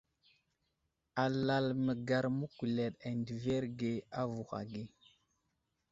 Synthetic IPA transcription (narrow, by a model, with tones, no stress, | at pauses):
a˨la˨lmə˨ɡa˨ɾmu˦ku˨le˨ɗa˨ndi˨ve˦ɾɡe˨a˦vu˨xa̰˨ɡi˦